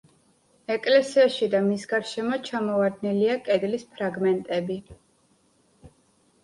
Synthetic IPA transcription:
ɛkʼlɛsiaʃid̪amisɡaɾʃɛmɔt͡ʃʰamɔvad̪niliakʼɛd̪lispʰɾaɡmɛnt̪ʼɛbi

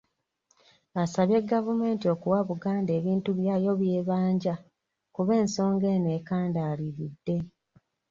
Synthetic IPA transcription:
asaβje̞ɡːavume̞ːntio̞kuwaβuɡaːnde̞ːβiːntuβjajo̞βje̞ːβaːɲɟa | kuβe̞ːnso̞ːŋɡeneːkaːndaːliɾidːe̞

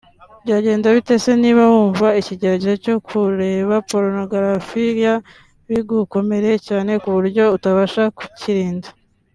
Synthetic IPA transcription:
bɟaːɟe̞ːndaβite̞se̞niːβahuːɱvaiciɟeɾaɟeheco̞kʰuɾe̞ːβapo̞ɾonoɡaɾafiɾja | βiɡuko̞me̞ɾe̞caːne̞kuβuɾɟo̞utaβaʃaku̥ciɾiːndḁ

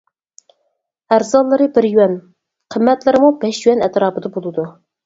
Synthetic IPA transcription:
æɾzɑlˠːɨɾɨbɪɾjywɛn | qʰəmːɛt̪lɪɾɪmubɛʃjywɛnɛt̪ɾɑːpɨd̪ɑbolˠɨd̪u

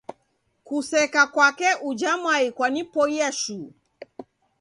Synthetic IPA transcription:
kusɛkakwakɛʔud͡ʒamaikwanipɔjɛʃu

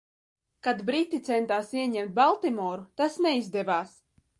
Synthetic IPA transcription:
kad̪bɾit̪ːit̪sɛnt̪aːsiɛɲɛmt̪̚balˠt̪imɔːɾut̪asneizd̪ɛvaːs

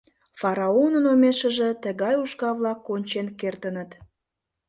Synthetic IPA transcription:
fɑɾɑonənomeʃə̆ʒə̆t̪ə̆ɣɑjuʃkɑβlɑkːonʲt͡ɕenkert̪ənət̪

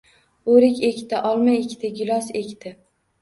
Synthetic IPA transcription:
oɾɪkʲekʲt̪ɪʔɒlˠmajekʲt̪ʰɪɡʲʊlˠɒsekʲt̪ʰɪ

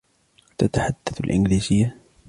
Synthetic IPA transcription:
t̪at̪aħad̪̥ːaθlʔɪ̰nɡliːzɪjːa

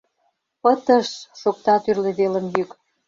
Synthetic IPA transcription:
pət̪ə̆ʃʃok̚t̪ɑt̪yrleβelə̆mjyk

